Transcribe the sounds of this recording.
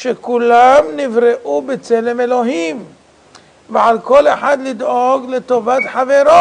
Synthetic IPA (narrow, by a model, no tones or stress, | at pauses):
ʃekulamnivɾeʔubet͡selemelo̞ɦim | veʕalkoleħad̪lid̪oɡlet̪ovat̪ħaveɾo